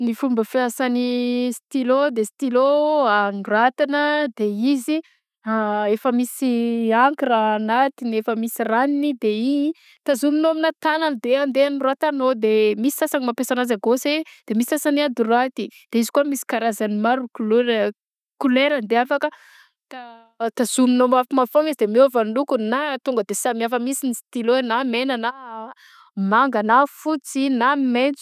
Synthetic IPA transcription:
nifumbəfasanist̪ilod̪est̪iloanrat̪inəd̪eizi | aefəmisiaŋkiɾanat̪inefəmisiraninid̪eiɲi | t̪azuminominat̪anənd̪eand̪eanirat̪anod̪emisi̥sasanimapesanazaɡosed̪̥emisi̥sasaniad̪irat̪id̪̥eizi̥kuəmisi̥kaɾazanimaɾukuleɾ | kuleɾəand̪eafakə | t̪a | t̪azuminomafimafoŋizd̪emeavanlukunat̪uŋɡəd̪esamiafəmisinist̪iloenamenana | maŋɡanafut͡sinamment͡s

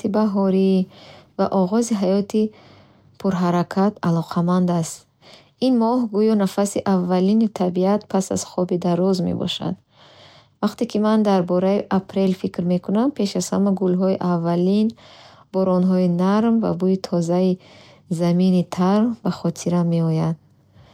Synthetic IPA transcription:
ibaɦɔɾiva̰ʔɔʁɔziɦajɔt̪ʰi | pʰuɾɦaɾakʰat̪ʰalɔqʰamand̪ast̪ | inmɔhɡujɔnafasiʔavːalinit̪ʰabiat̪pʰasa̰z̥χɔbid̪aɾɔzmḛbɔ̰ʃa̰d̪ | vaqt̪ekimand̪aɾbɔɾaiʔapʰɾe̞lfikɾme̞kʰunampʰe̞ʃaz̥hamaɡulɦɔiʔavːalin | bɔɾɔnɦɔinaɾmva̰buit̪ʰɔzai | zaminit̪ʰaɾmbaχɔt̪ʰiɾame̞ɔjad̪̥

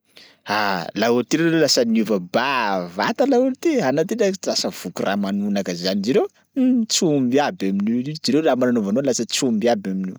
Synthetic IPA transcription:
alauɾit̪iɾeolasəniuvəbavat̪alauɾit̪ianat̪idalasəv̥ukurʔa̰manunakəzanid͡ʒiɾew | t͡sumbiabaminiud͡ʒiɾewlamananovanolasət͡sumbiabaminiw

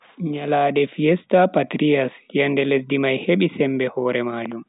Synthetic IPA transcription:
ɲalaːdɛfiɛstapatɾijasjandɛles̬dimajheɓisɛmbɛhɔːɾɛmaːd͡ʒum

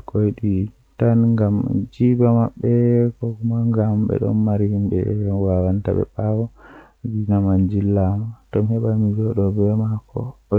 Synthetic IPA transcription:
kʰojɗi | tanŋɡamd͡ʒibamaɓːɛkɔkumaŋɡambɛ̰ɗɔ̰nmaɾihimbɛwawanta̰ɓɛ̰ɓawɔ | ɡinamand͡ʒilːamatɔmhɛɓamiɡɔɗɔbɛmakʰɔ̰

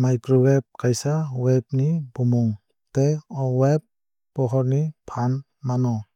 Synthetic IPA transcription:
majkɾɔwep̚kajsaweb̚nibɔmɔŋ | teɔwep̚ː | ɔɦɔɾnipʰan | manɔ

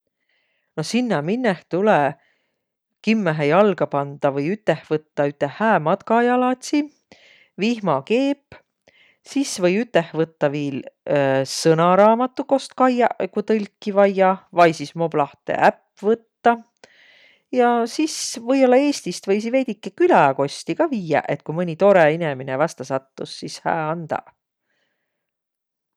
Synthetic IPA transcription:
nosinːɑminːeht̪ulɛ | kimːeɦejɑlɡ̥ɑpɑnd̪̥ɑvɤjyt̪ːˑehvɤt̪ːɑyt̪ːˑehːæːmɑt̪kɑjɑlɑt̪ʲsi | vihmɑke̞ːpː | sisvɤjyt̪ːˑehvɤt̪ːɑviːl | sɤnɑɾɑːmɑt̪ːˑuko̞st̪kɑjɑkut̪ɤlʲkːivɑjːɑvɑjsismo̞b̥lɑht̪ḛʔæpː | vɤt̪ːɑ | jɑsisvɤ̞jo̞lːɑe̞ːst̪ist̪vɤjs̬ive̞jd̪̥ʲikːekylæko̞sʲt̪iɡɑviːɑ̰ʔe̞t̪̚kujmɯnʲit̪o̞ɾeineminevɑst̪ɑsɑt̪ːusːishæ̰ːɑnd̪̥ɑ̰

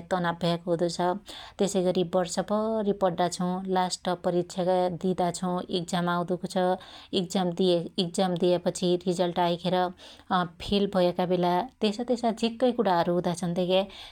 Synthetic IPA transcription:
t̪ʌnabʱakɦud̪ut͡sʰʌt̪esʌjɡʌɾibʌrsʌbʌripʌrd̪at͡sʰʌw̃lasʈʌpːʌɾitsʰjakad̪id̪at͡sʰʌw̃ek̚d͡zamawd̪ukot͡sʰʌek̚d͡zamd̪ieek̚d͡zamd̪ijepʌt͡sʰirid͡zʌlʈajkʰeɾʌ | pʰilbʱʌekabelat̪esʌt̪esad͡zʱikːʌjkuɽaɦʌɾuɦũd̪at͡sʰʌnt̪eke

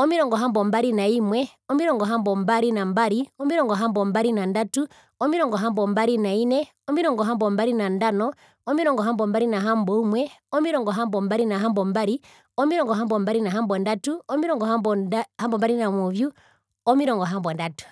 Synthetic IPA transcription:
ɔmiɾɔŋɡɔɦambɔmbaɾinaimwɛ | ɔmiɾɔŋɡɔɦambɔmbaɾinambaɾiɔmiɾɔŋɡɔɦambɔmbaɾinandatu | ɔmiɾɔŋɡɔɦambɔmbaɾinainɛ | ɔmiɾɔŋɡɔɦambɔmbaɾinandanɔ | ɔmiɾɔŋɡɔɦambɔmbaɾinaɦambɔimwɛɔmiɾɔŋɡɔɦambɔmbaɾinaɦambɔmbaɾi | ɔmiɾɔŋɡɔɦambɔmbaɾinaɦambɔndatuɔmiɾɔŋɡɔɦambɔhambɔmbaɾinamuvju | ɔmiɾɔŋɡɔɦambɔndatu̥

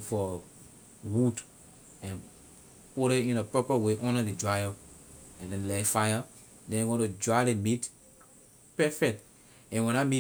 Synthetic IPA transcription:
fɔ | wud | ɛ̃n | puɾeĩnəpɔpəweʔɔ̃nədid͡ʒɹajoɛ̃ndɛ̃nlɛfajə | dɛ̃nɡõtud͡ʒalemit | pɛfɛk̚t | ɛ̃nwɛ̃nami

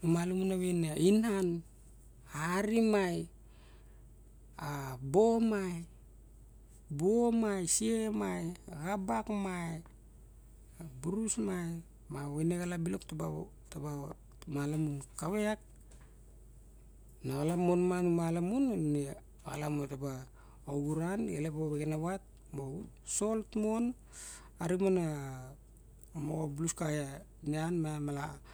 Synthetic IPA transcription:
umalamunaβenainan | aɾimaj | abo̞maj | buomajsiemajɣabakmaj | buɾusmaj | maweneɣalabilo̞ktaba | taba | malamunkaweak̚ | naɣalamonmanumalamunne | ɣa̰lamotaba | oɡuɾanelepoβekenaβat̚ | mo | so̞ltmon | aɾimona | moobluskaja | nianmamala

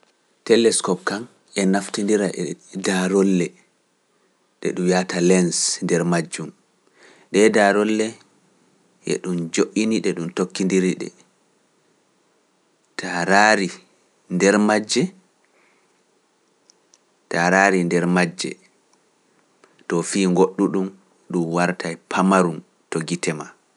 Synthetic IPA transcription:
tɛlɛskɔp̚kan | ɛnaftindiɾaʔɛdaɾɔlːɛ | ɗɛ̰ɗumjatalɛnsndɛɾmad͡ʒːum | ɗɛdaɾɔlːɛ | ʔɛ̰ɗumd͡ʒoʔiniɗɛɗumtokːindiɾiɗɛ̰ | tʰaɾaːɾi | ndɛɾmad͡ʒːɛ | taɾaɾindɛɾmad͡ʒːɛ̰ | tɔfiːŋɡoɗːuɗum | ɗumwaɾtʰajpʰamaɾun | toɡitɛma

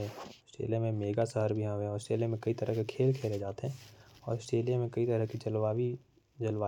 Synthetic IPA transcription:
ɛ̃əsʈɾḛːlijamẽmeːɡasəɦəɾbʱiãʋẽɔːɾɪsʈɾeːlijamẽkɐit̪əɾəɦkekʰeːlkʰeːled͡ʒaːt̪eɦɛ̃ːɔːɾəsʈɾeːlijamẽkɐit̪əɾəɦkit͡ʃəlwaːwi | d͡ʒəlʋaː

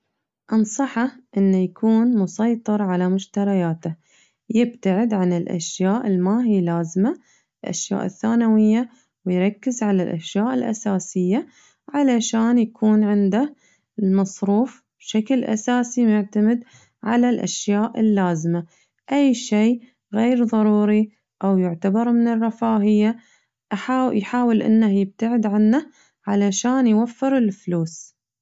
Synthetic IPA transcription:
ʔɑnsˤɑħɑʔɪnːajakʰuːnmʊsˤɑjt̪ˤɨɾˤʕalamʊʃt̪ɑɾˤɑjaːt̪a | jɪb̚t̪aʕɪd̪ʕanɪlʔa̰ʃjaːʔɪlmaɦiːlaːzma | ɪlʔa̰ʃja̰ːʔɪθːaːnawɪjːa | wɪjɾˤɑkːɪzʕalalʔa̰ʃjaːʔɪlʔa̰saːsɪjːa | ʕalaʃaːnjakʰuːnʕɪnd̪a | lmɑsˤɾuːf | b̥ʃaklʔa̰saːsimʊʕt̪amɪd̪ | ʕalalʔa̰ʃjaːʔɪlːaːzɪma | ʔajːʃeː | ɣeːɾðˤɑɾˤuːɾi | ʔawjʊʕt̪abɑɾˤmɪnɪrˤːɑfaːɦɪjːa | ʔaħajħaːwɪlʔɪ̰nːahjɪb̚t̪aʕɪd̪ʕanːa | ʕalaʃaːnjwafːɪɾɪlfluːs

